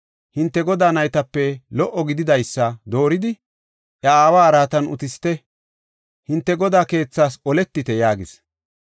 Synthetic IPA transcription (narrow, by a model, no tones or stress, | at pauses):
hɪnt̪ːɛɡɔd̪aːnɐjt̪ɐpːɛlɔʔːɔɡɪd̪ɪd̪ɐjsːɐd̪o̞ːɾɪd̪ɪ | ʔɐaːwaːɾaːt̪ɐnʊ̰t̪ɪst̪ɛ | hɪnt̪ːɛɡɔd̪aːke̞ːt͡sːaːsɔlɛt̪ːɪt̪ɛjaːɡɪs